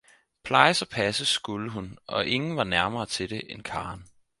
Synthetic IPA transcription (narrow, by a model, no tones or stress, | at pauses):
pʰlɑ̈ɪəsɒ̽pʰæsəsɡ̥uləɦunʔɒ̽ʔe̝ŋn̩ʋɑ̈næɐmɐːt͡sʰe̝d̥e̝ʔenkʰɑ̈ːn